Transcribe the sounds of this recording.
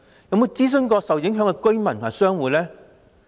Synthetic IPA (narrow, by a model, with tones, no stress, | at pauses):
jɐ˨˧wmo˧wt͡siː˥s̬ɵ˥nkɔː˧sɐ˨wjɪ˨˥ŋɦœː˨˥ŋkɛ˧kɵ˥ɥmɐ˨nt̪ʰm˨a˨˩sœː˥ŋwuː˨t̚lɛː˥